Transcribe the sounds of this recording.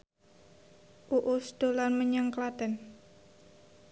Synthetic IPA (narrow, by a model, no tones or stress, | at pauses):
ʔuʔusd̪̥o̤lanməɲaŋklat̪ɛn